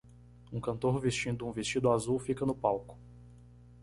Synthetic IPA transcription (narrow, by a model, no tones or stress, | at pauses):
ũkɐ̃nt̪oɾvest͡ʃĩnd̪ʊũvest͡ʃid̪ʊazuwfikɐnʊpawkʊ̥